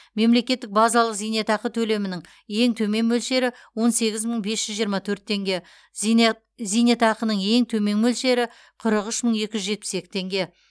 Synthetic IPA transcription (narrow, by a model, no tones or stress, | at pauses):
me̞mle̞kʲe̞t̪ːɪk̚bɑzɑlˠəqzijne̞t̪ɑqət̪ʰɵle̞mɪnɪŋ | je̞ŋt̪ʰɵme̞ŋmɵlʃe̞ɾɪ | wo̞nse̞ɡʲɪzməɴbe̞sʒ̥ʏzʒijəɾmɑt̪ʰɵɾt̪ːʰe̞ŋɡʲe̞ | zijne̞t̪ɑqənəɴe̞ŋt̪ʰɵme̞ŋmɵlʃe̞ɾɪ | qʰəɾəqʏʃməɴe̞kʲɪʒʏzʒe̞t̪̚pɪ̥se̞kʲɪ̥t̪ʰe̞ŋɡʲe̞